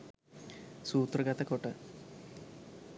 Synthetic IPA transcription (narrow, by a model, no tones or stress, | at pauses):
suːt̪rɐɡɐt̪ɐkoʈːɨ